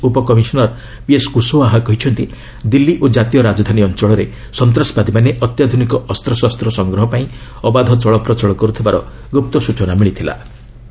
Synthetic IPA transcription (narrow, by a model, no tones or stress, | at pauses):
upɔkɔmisɔnɔɾ | pieskusoaɦakɔɦit͡ʃʰɔnt̪i | d̪ilːiʔod͡ʒat̪ijɔɾad͡ʒɔd̪ʱaniɔnt͡ʃɔɭɔɾe | sɔnt̪ɾaspad̪ʱimaneʔɔt̪jad̪ʱunikɔʔɔst̪ɾɔsast̪ɾɔsɔŋɡɾɔɦɔpaĩɔbad̪ʱɔt͡ʃɔɭɔpɾɔt͡ʃɔɭɔkɔɾut̪ʰibaɾɔ̰ | ɡup̚t̪ɔsut͡ʃɔnamiɭit̪ʰila̰